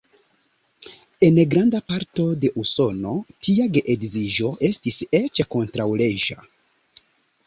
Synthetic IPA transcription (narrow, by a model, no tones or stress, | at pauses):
e̞nɡɾandapaɾto̞de̞ʔuso̞no̞tiaɡe̞ʔedziʒo̞ʔe̞stise̞t͡ʃako̞ntɾawle̞ʒa̰